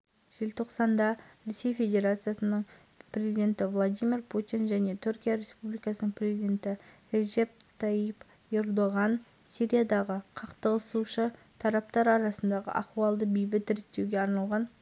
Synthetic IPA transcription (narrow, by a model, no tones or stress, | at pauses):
ʒ̥ɪlt̪ʰo̞qsɑnd̪ɑɾe̞se̞jfʲe̞d̪ʲe̞ɾat̪sɨjasənəɴ | prʲe̞zid̪ʲe̞nt̪ɪvlˠad̪ijmʲirpʰut̪inʒæne̞t̪ʰʏɾkʲijaɾe̞spublijkɑsənəɴpʰrʲe̞zijd̪ʲe̞nt̪ɪ | ɾeʒe̞p̚t̪ʰaip | e̞rd̪oʁɑn | sijɾʲijad̪ɑʁəqʰɑqt̪əʁəsuʃə | t̪ʰɑɾɑp̚t̪ɑɾɑɾɑsənd̪ɑʁə̰ʔɑ̰quɑlˠd̪əbejbɪt̪ɪɾɪt̚t̪ːe̞wɡʲeɑɾnɑlˠʁɑn